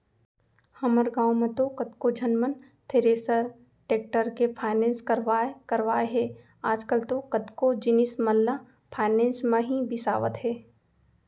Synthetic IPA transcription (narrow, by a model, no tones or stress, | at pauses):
hɐməɾɡãːwmẽt̪okɐt̪kod͡ʒɐnmən | t̪ʰeɾeːsəɾ | ʈeːk̚ʈəɾkepʰaːɪnẽːnskəɾʋaːekɐɾʋaːeɦɛː | aːd͡ʒkəlt̪okɐt̪kod͡ʒɪnɪsmɐlːa | pʰaːɪnẽːnsmẽɦibɪsa̰ːʋət̪ɦɛː